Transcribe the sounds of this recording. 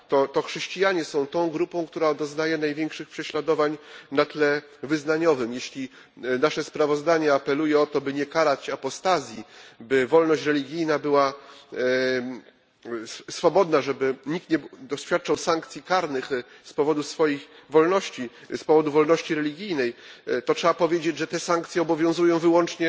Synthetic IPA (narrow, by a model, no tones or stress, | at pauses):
t̪ɔt̪ɔxʂɛɕt͡ɕijaɲɛsɔ̃w̃t̪ɔ̃w̃ɡɾupɔ̃w̃kt̪uɾad̪ɔznajɛnajvʲjɛŋkʂɘxpʂɛɕlad̪ɔvaɲnat̪lɛ | vɘznaɲɔvɘmjeɕlʲi | naʂɛspɾavɔzd̪aɲɛapɛlujɛɔt̪ɔbɘɲɛkaɾat͡ɕapɔst̪azʲjibɘvɔlnɔɕt͡ɕɾɛlʲiɡʲijnabɘwa | ssfɔbɔd̪naʐɛbɘɲik̚t̪ɲɛd̪ɔɕfʲjat̪̚t͡ʂawsaŋkt̪sʲjikaɾnɘxspɔvɔd̪usfɔjixvɔlnɔɕt͡ɕispɔvɔd̪uvɔlnɔɕt͡ɕiɾɛlʲiɡʲijnɛjt̪ɔtʂɛbapɔvʲjed͡ʑed͡ʑʐɛt̪ɛsaŋkt̪sʲjɛɔbɔvʲjɔ̃w̃zujɔ̃w̃vɘwɔnt͡ʂɲɛ